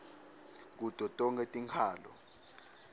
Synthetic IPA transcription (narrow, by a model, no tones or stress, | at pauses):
k̬utʼɔtʼɔŋetʼiŋkʰaːlɔ̰